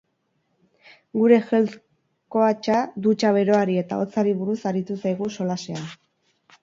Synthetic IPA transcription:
ɡuɾe̞xe̞lt͡s | ko̞at͡ʃad̪ut͡ʃaβ̞e̞ɾo̞aɾie̞t̪a̰o̞t͡saɾiβuɾusaɾit̪usajɣ̞uso̞lase̞a

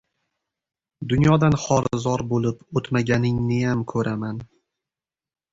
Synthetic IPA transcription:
d̪ʊnjɒd̪anχɒɾzɒɾbolˠɪpot̪maɡʲanɪŋnɪjamkʰɵɾaman

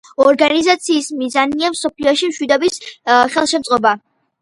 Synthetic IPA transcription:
ɔɾɡanizat̪sʰiːsmizaniamsɔpʰliɔʃimʃwid̪ɔbisχɛlˠʃɛmt̪sʼɔba

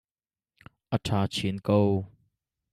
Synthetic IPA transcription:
ʔətʰaːt͡ɕʰinkow

